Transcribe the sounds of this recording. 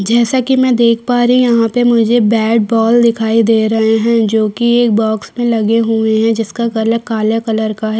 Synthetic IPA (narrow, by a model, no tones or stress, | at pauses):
d͡ʒɛːsakimɛ̃d̪eːkʰpaːɾɦĩjɐɦãpemʊd͡ʒʱebɛːɖ̚bɔːld̪ɪkʰaːid̪eːɾɐɦeɦɛ̃d͡ʒoːkieːk̚bɔːksmẽlɐɡeɦueɦɛ̃d͡ʒɪskakɐləɾkaːljakɐləɾkaɦɛ